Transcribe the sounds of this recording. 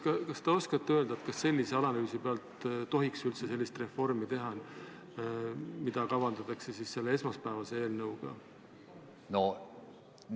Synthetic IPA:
kɑkɑst̪eo̞skɑt̪ːø̞ld̪̥ɑet̪kɑsːe̞lʲːiseɑlɑnyːsipeɑlt̪t̪o̞ɦiksylt̪se̞se̞lːist̪re̞fo̞rmit̪e̞ɦɑn | mid̪̥ɑkɑvɑnd̪ɑt̪ˑɑksesisse̞lːee̞smɑspæːvɑse̞e̞ːlnɤwɡ̥ɑ̰ | no

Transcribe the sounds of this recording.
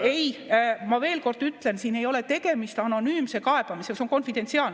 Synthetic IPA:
ejmɑve̞ːlko̞rd̪̥yt̪ːˑle̞nsiːne̞jo̞let̪e̞ɡ̥e̞mist̪ɑno̞nyːmse̞kɑe̞b̥ɑmisekseo̞nko̞nfid̪̥e̞nt̪siɑːl

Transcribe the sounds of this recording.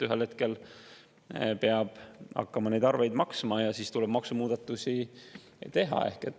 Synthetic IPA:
yɦelhe̞t̪ke̞l | peɑb̥ɑ̰kːɑmɑne̞jd̪ɑrve̞jd̪mɑksmɑjɑsist̪ulɛb̥mɑksumuːd̪̥ɑt̪ːˑusi | t̪e̞ɦɑ̰e̞̰hket̪ː

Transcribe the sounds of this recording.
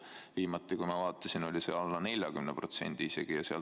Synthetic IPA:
viːmɑt̪ːˑikujmɑvɑːt̪ˑːɑsino̞lʲisḛɑlːɑne̞lʲjɑkymnepro̞t̪se̞̰nd̪̥iise̞̰ɡ̥ijɑseɑ̰l

